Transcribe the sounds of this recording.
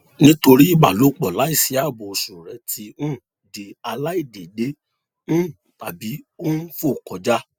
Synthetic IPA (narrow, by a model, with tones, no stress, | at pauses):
nĩ˦to˧ɾi˦i˦˨ɡ͡ba̰˨lo˨˦k͡pɔ˨la˨˦i˦˨si˨˦a˦˨bo˨su˨ɾɛ˨˦tʰĩ˧˦˨ | de˨a˧la˦i˦˨de˨de˨˦ | ñ̩˦˨ | ta˨bi˨˦o˦n̩˦fo˦˨kɔ˨d͡ʒa˦